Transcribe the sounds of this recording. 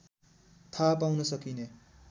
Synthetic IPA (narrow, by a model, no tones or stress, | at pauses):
t̪ʰapawnʌsʌkine